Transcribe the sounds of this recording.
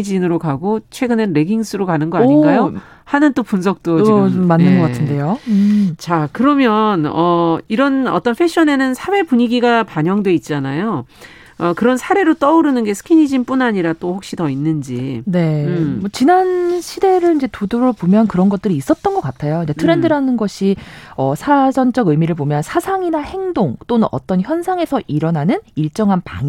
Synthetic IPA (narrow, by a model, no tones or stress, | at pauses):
d͡ʑinɯɾokaɡot͡ɕʰwe̞ɡɯnɯnɾe̞ɡiŋs͈ʰɯɾokanɯnɡʌaɲiɡajo | hanɯnt͈opuns̬ʰʌk̚t͈omːanːɯnɡʌk͈atʰɯnde̞jot͡ɕakɯɾʌmjʌnʌiɾʌnʌ̰t͈ʌnɸʰe̞ɕʰʌne̞nɯnsʰawe̞puɲiɡiɡapaɲʌŋdwe̞it̚t͡ɕ͈anajo | ʌkɯɾʌnsʰaɾe̞ɾot͈ʌuɾɯnɯnɡe̞sʰɯ̥kʰiɲid͡ʑinp͈unaɲiɾat͈oɸok̚ɕ͈itʌinːɯnd͡ʑḭne̞mwʌt͡ɕinanɕʰide̞ɾɯɭind͡ʑe̞tudoɾoɭpomjʌnkɯɾʌnɡʌt͈ɯɾiːs͈ʌt̚t͈ʌnɡʌk͈atʰajoind͡ʑe̞tʰɯɾe̞ndɯɾanɯnɡʌɕʰiʌsʰad͡ʑʌnt͡ɕ͈ʌɡɯmiɾɯɭp̬omjʌnsʰasʰaŋinahe̞ŋdoŋt͈onɯnʔʌ̰t͈ʌnçjʌnsʰaŋe̞sʰʌʔiɾʌnanɯniɭt͡ɕ͈ʌŋɦanpa̰ŋ